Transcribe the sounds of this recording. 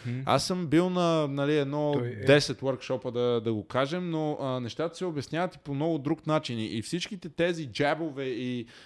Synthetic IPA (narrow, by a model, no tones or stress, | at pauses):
a̰sːɤmbilˠnɐnɐliɛd̪nɔd̪ɛsɛt̪wəɾkʃɔpəd̪ɐd̪ɐɡokaʒɛmnoənɛʃt̪at̪ə̥sɛobɛsnʲjavət̪i̥pomnɔɡʊd̪ɾuknat͡ʃiniʔifsit͡ʃkit̪ɛt̪ɛzid͡ʒabovɛi